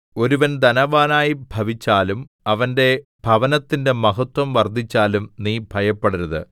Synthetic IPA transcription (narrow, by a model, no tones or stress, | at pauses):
o̞ɾuʋɐnd̪ɐnɐʋaːnaːjibʱɐʋit͡ɕːaːlum | ɐʋɐnde̞b̥ʱɐʋɐnɐt̪ːinde̞mɐɦɐt̪wɐmʋɐrd̪ʱit͡ɕːaːlumniːbʱɐjɐpːeɽuɾuðɨ̰